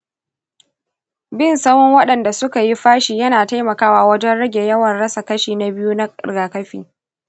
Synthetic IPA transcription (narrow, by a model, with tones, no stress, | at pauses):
bɪ˦˨nsa˦mɔ˦ŋwɐ˦ɗɐ˨nda˨sʊ˦ka˨ji˦ɸaː˦ʃiː˨jɐ˦naː˨ta˦jmɐ˨kaː˦waː˨wɐ˦d͡ʒɛ˦nɽɐ˦ɡʲe˨jɐ˦wɐ˨nɽɐ˦sa˨kɐ˦ʃiː˨na˨˦bɪ˦juː˦na̰˦˨ɡaː˨kɐ˦ɸḭː˨